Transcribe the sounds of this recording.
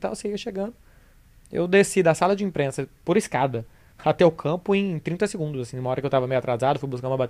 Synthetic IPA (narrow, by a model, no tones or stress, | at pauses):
t̪ãw̃seiɐʃeɡɐ̃nd̪ʊ | ḛwd̪esid̪ɐsalɐd͡ʒɪĩpɾẽsɐpoɾiskad̪ɐ | at̪ɛʊkʰɐ̃pʊẽj̃t̪ɾĩnt̪ɐsɪɡũnd̪ʊzasĩumɐɔɾɐkɪewt̪avɐmejʊat̪ɾazad̪ʊfujbuskɐ̃nd̪ʊ̃mɐbat̪